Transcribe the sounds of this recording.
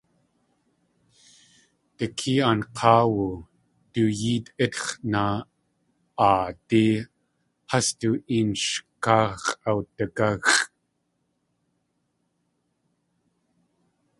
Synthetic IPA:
təkʰiːanqʰɑːwu | tujiːtʔɪt̪χna | ʔːti | hast̪uʔinʃkaːʁawtəkaɣ

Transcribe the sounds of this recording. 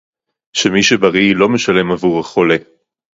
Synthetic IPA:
ʃemiʃebaʁilo̞me̞ʃale̞mavuʁaχo̞le̞

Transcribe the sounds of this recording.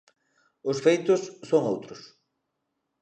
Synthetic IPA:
ʊsfejt̪ʊsːoŋowt̪ɾʊs

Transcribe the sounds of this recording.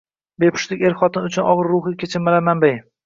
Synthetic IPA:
be̞pʰʊ̥ʃlɪkʲe̞ɾχɒt̪ʰɪnʊt͡ʃʰʊnɒʁɨɾːʊχɪkʲʰet͡ʃʰɪmalamambaj

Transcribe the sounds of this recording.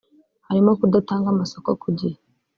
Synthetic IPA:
haɾimokudataːŋɡamasokokʰuɟi

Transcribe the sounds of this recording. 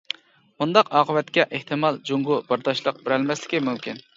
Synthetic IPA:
mund̪ɑqɑːqʰəwɛt̪kʲɛʔeht̪ʰɨmɑlˠd͡ʒoŋɡʊbɑɾd̪ɑʃlˠəq̚beɾɛlmɛslɪ̥kʲimymkʲin

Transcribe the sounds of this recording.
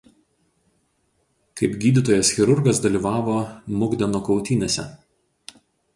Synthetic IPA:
kɐɪpɡʲiːd̪ʲɪt̪oːjɛsxʲɪɾʊɾɡɐsd̪ɐlʲiːʋɑːʋoːmʊɡd̪ʲɛnoːkɒʊt̪ʲiːnʲɛsʲɛ̰

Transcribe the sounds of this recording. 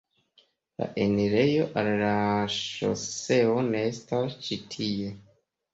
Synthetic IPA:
la̰ʔeniɾe̞jo̞ʔallaʃo̰se̞o̞ne̞estast͡ʃitʰije̞

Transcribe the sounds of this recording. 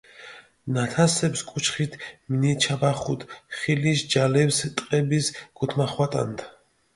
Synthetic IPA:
nat̪ʰasɛpskʼut͡ʃʰχit̪ʰminit͡ʃʰabaχut̪ʰχiliʃd͡ʒalɛpst̪ʼqʼɛbisɡ̥ut̪ʰmaχwat̪ʼa̰nt̪ʰ

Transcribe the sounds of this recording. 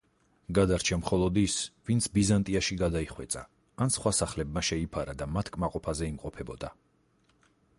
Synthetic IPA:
ɡad̪aɾt͡ʃʰamχɔlˠɔd̪isvint̪sʰbizant̪ʼiaʃiɡad̪aiχwɛt̪sʼaː | nsχwasaχlɛbmaʃɛipʰaɾad̪amat̪ʰkʼmaqʼɔpʰazɛimqʼɔpʰɛbɔd̪a

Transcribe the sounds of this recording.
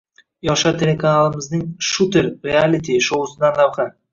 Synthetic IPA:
jɒʃat̪ʰe̞lʲekʰanalˠɪmɪznɪŋʃut̪ʰɪɾɾialʲit̪ʰiʃowʊsɪd̪anlawχa

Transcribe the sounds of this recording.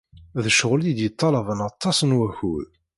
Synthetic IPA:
ðəʃəʁlid̪jət̪ˤːɑləvənɑt̪ˤːɑsənwæçuð

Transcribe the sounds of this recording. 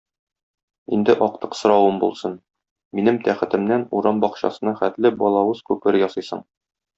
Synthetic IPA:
ḭnd̪ɘʔɒqt̪ɤ̥qsŏɾɑwɤmbṵlˠsɤn | minɘmt̪æχɘ̆t̪ɘ̆mnænuɾɑmbɒqɕɑ̰sɤ̆nɑχæt̪lɘbɒlˠɑwɤz̥kʉpɘɾjɒsɤjsɤ̰ɴ

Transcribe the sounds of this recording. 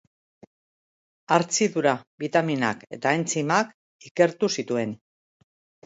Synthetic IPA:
aɾt͡siðuɾaβit̪amina̰ke̞t̪aent͡simak | ike̞ɾt̪usit̪ue̞n

